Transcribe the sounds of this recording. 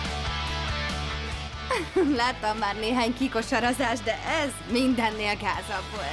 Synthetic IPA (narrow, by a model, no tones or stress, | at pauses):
laːt̪ːɒmːaːrneːɦaːɲkikoʃɒɾɒzaːʒd̪ɛʔɛz | mind̪ɛnːeːlɡaːzɒbːoːl